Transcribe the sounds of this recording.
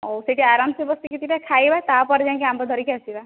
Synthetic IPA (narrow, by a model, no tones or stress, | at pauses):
oseʈiaɾamsbɔst̪ikit̪iʈakʰajbat̪apɔɾed͡ʒãkiambɔd̪ʱɔɾikasiba